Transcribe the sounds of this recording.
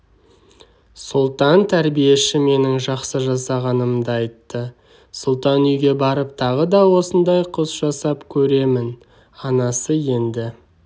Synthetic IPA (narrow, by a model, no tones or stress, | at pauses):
sʊlˠt̪ɑnt̪ʰæɾbije̞ʃɪme̞nɪŋʒɑqsəʒɑsɑʁɑnəmd̪ɑjt̪ːə | sʊlˠt̪ɑnʏjɡʲe̞bɑɾəp̚t̪ʰɑʁəd̪ɑwo̞sənd̪ɑjqʰʊsʒ̥ɑsɑpkʲʰɵɾe̞mɪn | ɑnɑsəje̞nd̪ɪ